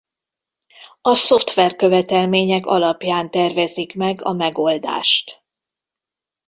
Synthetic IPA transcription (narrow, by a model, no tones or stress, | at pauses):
ɒso̞ft̪ʋɛrkø̞vɛt̪ɛlmeːɲɛkɒ̰lɒpjaːnt̪ɛrvɛzikmɛɡɒ̰mɛɡo̞ld̪a̰ːʃt̪